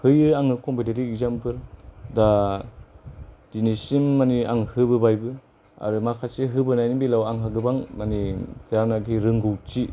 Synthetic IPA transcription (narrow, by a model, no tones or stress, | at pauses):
hɯjɯaŋɯkɔmpiteɾiːkzampɯɾda | dinisimːania̰ŋhɯbɯbajbɯ | a̰ɾɯmakʰasiɦɯbɯnajnibilawaŋɦaɡɯbaŋmanitʰajaɾnaɡiɾɯŋɡɯwt͡ʃi